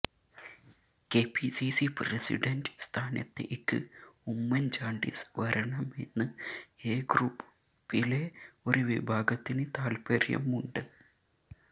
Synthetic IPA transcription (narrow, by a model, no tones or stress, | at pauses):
ke̞ːpːisisipresḭɖɐnɖɨst̪ʰaːnɐ̰t̪ːḛʔikːɨ̰umːɐnd͡ʑaːɳɖḭsʋɐɾɐɳɐme̞̰nːɨeːɡruːp | pːile̞o̞ɾuʋḭbʱaːɡɐt̪ːinɨt̪aːlpɐrjɐ̰muɳɖɨ